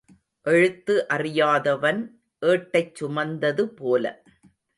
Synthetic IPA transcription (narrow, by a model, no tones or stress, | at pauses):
ʔɛɻɯt̪ːɯʔɐrɪjaːðɐʋɐn | ʔeːʈːɐɪt͡ʃt͡ʃːʊmɐnd̪ɐðɯpoːlɐ̰